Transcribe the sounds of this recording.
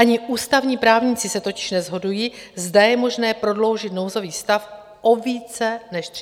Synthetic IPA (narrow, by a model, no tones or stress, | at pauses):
ʔaɲɪʔuːst̪avɲiːpɾaːvɲɪt͡sɪsɛt̪o̞cɪ̥ʃnɛzɦo̞dujiːzdajɛmo̞ʒnɛːpɾo̞dlo̞wʒɪt̪no̞wzo̞viːst̪af | ʔo̞viːt͡sɛnɛʃ